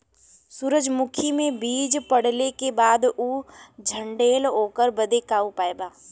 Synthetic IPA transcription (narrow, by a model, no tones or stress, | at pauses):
suːɾəd͡ʒmʊkʰimẽbiːd͡ʒpəɽ̤lekebaːd̪uːd͡ʒʱə̃ɳɖeːloːkəɾbəd̪ekaːupaːebaː